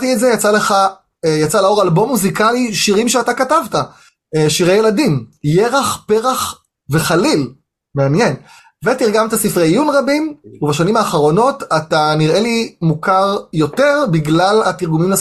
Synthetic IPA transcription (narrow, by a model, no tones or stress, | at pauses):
tietzejat͡saleχa | jat͡salao̞ʁalbo̞mːuzikaliʃiʁimʃeatakatavta | ʃiʁejeladimjeʁaχpeʁaχ | ve̞χalil | meanje̞n | vetiʁɡamtasifʁejjunʁabimuvbaʃanimaːχaʁo̞no̞tataniʁe̞limukaʁjo̞te̞ʁbiɡlalatiʁɡumimla